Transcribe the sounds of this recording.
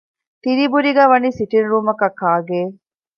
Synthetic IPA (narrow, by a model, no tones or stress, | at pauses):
t̪iɾibuɾiɡæːʋɐniːsiʈinɾuːmɐkɐkːaːɡeː